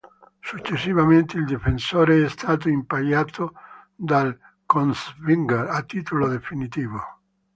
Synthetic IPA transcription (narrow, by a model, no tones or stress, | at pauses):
sut͡ʃːesːivament̪eild̪efensoɾeɛst̪ʰaːt̪̬oimpaʎat̪ʰo | d̪al | konsviŋɡeɾat̪ːit̪olod̪efinit̪iːvo